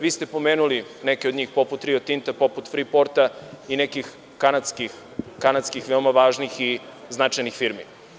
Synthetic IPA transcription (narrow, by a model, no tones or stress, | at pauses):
ʋiːst̪e̞po̞meːnulinekeod̪ɲiːxpo̞put̪ːɾiot̪int̪apo̞put̪fɾipo̞ɾt̪ainekix | kanat̪skix | kanat̪skixʋeomaʋaːʒnixi | znat͡ʃajnixfiɾmḭ